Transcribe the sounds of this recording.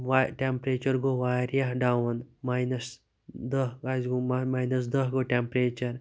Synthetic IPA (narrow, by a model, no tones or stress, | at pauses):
ʋaʈempɾeːt͡ʃɐɾɡoʋaːɾjaɦɖawnmajnɐs | d̪ɐɡazɡomamajnɐs̬d̪ɐɦɡoʈempɾet͡ʃɐɾ